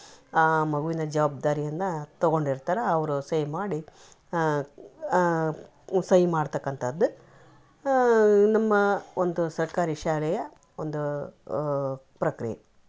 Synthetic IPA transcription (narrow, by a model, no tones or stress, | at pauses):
aːmɐɡuʋinɐd͡ʒɐʋaːb̚d̪aːɾijɐnːɐt̪ɐɡo̞ɳɖiɾt̪aːɾeɐʋɐɾusɐjmaːɽi | sɐjimaːɽt̪ɐkːɐnt̪ʰɐd̪ːu | nɐmːɐond̪usɐɾkaːɾiʃaːlɛjɐ | ond̪u | pɾɐkɾijḛ